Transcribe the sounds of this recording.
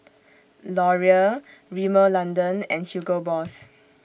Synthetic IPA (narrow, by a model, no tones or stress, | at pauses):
lɔɹiəɹiməlãndə̃nɛ̃nhjuɡəbɔs